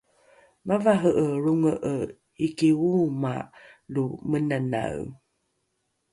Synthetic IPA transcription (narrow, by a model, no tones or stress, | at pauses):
mavaɦəʔəɾuŋəʔə | ikiuma̰ʔlumənana̰w